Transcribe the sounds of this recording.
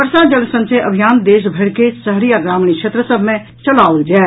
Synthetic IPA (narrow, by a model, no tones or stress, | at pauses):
əɾsad͡ʒɐlsə̃nseʔɐbʱijaːnd̪eːʃ̬bʱɐɾkesɐɦɾijaɡɾaːmɳ̃ikʃeːt̪ɾəsəbʱmẽ | t͡ʃɐlaːʊld͡ʒaː